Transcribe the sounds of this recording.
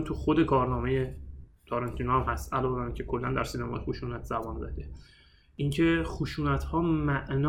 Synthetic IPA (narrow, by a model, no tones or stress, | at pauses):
t̪ʰuxo̞d̪e̞kʰɒːɾnɒːme̞je̞t̪ʰɒːɾɑnt̪ʰinohæmhæst̪ʔælɒːveænicʰe̞kʰo̞lːænd̪æɾsiːnæmɒ̰ːjexuʃuːnæt̪ʰz̥æbɒnzæ̰d̪e | ʔiŋcʰe̞xuʃuːnæt̪ʰhɒːmæʔnː